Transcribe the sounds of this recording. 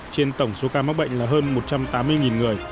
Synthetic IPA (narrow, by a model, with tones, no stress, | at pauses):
t͡ɕe˧nt̪ə˧˩wŋ͡mso˨˦kaː˧ma˦˥k̚ɓə̰˧˨ŋ̟laː˨˩ɦəː˧nmo˨˩t̚t͡ɕa˧mt̪aː˨˦mːɨ˧əjŋi˨˩nŋɨ˨˩əj